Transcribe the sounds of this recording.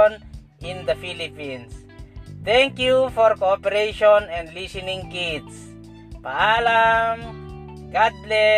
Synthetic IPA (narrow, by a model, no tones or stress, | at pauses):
ɔn | ĩnd̪əfilipĩns | θɛ̃ŋkjufɔɹkoɔpɛɹeʃɔnɛ̃ndlisɛnĩŋkits | paalam | ɡadlɛ